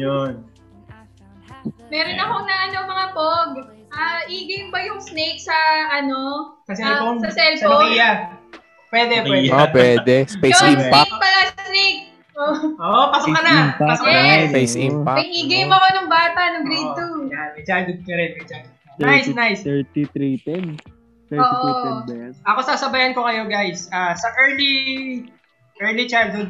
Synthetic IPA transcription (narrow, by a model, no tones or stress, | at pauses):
jon | mɛɾonɐkoŋnɐʔɐnomɐŋapoɡ | ʔɐʔiːɡɐjmbɐjʊŋsnejk̚sɐɐno̞sɐsɛloŋsɐsɛlsfija | pwɛd̪ɛwɛopwɛd̪ɛspejoɪmpapɐlasnejk̚ | oʔoːʔopɐsʊkːɐnɐɐsɐspejsɪmpapɐiɡejmɐkonɐŋbaːt̪ɐnɐŋɡɾiːujamɛd͡ʒanɡʊɡnɐɾɛnmɐd͡ʒan | najsnajst̪it̪ɾit̪ɛn | t̪oːʔ | ʔɐkosaːsɐbɐjɐnko̞kɐjo̞ɡajsaːsɐʔɛɹli | ʔɛɹlit͡ʃaj̪̚hʊd̪̚